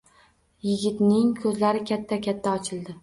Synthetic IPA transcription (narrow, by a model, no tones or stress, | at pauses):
jɪɡʲɪt̪nɪŋkʰɵzlaɾɪkʲʰat̪ʰːakʲʰat̪ʰːaɒt͡ʃʰɪlˠd̪ɪ